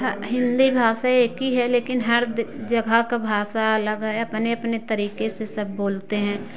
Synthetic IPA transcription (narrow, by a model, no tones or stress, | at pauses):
ɦɐɦɪ̃nd̪ibʱaːʃaeːkiɦɛleːkɪnɦɐɾd̪d͡ʒɐɡʱakabʱaːʃaɐləɡɦɛɐpneɐpnet̪ɐɾiːkesesɐbːoːlt̪eɦɛ̃ː